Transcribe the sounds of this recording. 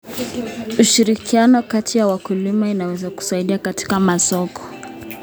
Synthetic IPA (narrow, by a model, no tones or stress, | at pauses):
uʃiɾikianɔkatʰijawakulimainawɛzaku̥saiɗiakati̥kamasɔkɔ̥